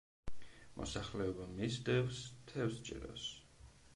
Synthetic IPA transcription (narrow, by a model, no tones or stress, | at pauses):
mɔ̰saχlɛɔbamisd̪ɛvst̪ʰɛvst͡ʃʼɛ̰ɾɔ̰s